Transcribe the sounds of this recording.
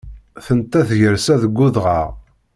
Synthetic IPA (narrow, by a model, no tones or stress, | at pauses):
θənt̪ːæθʝəɾsæðəɡːuðʁaʁ